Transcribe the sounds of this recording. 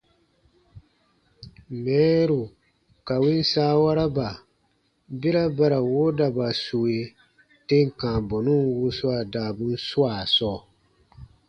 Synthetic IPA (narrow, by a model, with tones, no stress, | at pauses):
mɛː˨˦ɾu˨ | ka˨wi˦n˦saː˦wa˦ɾa˦ba˨ | be˦ɾa˦ba˦ɾa˨wo˦da˨ba˨su˨we˨ | te˦ŋ˨kã˨bɔ˨nu˦wu˦su˦a˨daː˨bu˦n̩˦su˦a˨sɔː˦